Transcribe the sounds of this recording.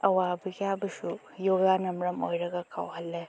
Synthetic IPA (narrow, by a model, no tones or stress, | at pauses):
ɐwabiɡiabɐsu | joɡanɐmɾɐmojɾɐɡɐkʰa̰whɐlːe